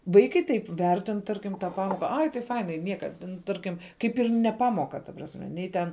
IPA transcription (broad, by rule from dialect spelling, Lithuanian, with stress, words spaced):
ˈʋɐɪkɐɪ ˈtɐɪp ˈʋʲɛrʲtʲɪn ˈtɐrʲkʲɪm tɑː ˈpɑːmoːkɐ ˈɐɪ tɐɪ ˈfɐɪnɐɪ ˈnʲiɛkɐ tʲɛn ˈtɐrʲkʲɪm ˈkɐɪp ɪr nʲɛ ˈpɑːmoːkɐ tɐ prɐsʲˈmʲɛ ˈnʲɛɪ tʲɛn